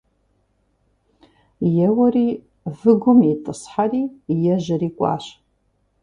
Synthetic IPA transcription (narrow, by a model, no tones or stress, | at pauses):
jɛwɐriː | vɨɡʷʊmitʼɨsħariːjɛʒɐriːkʷʼa̰ːʃ